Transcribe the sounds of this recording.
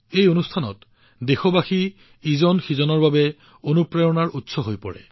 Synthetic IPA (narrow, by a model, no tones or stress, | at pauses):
ejonustʰanɔ̰t | dexɔbaxi | izɔnxizɔnɔɹbabɛ | onupɹajɔnaɹʔutsɔɦojpɔ̰ɹɛ̰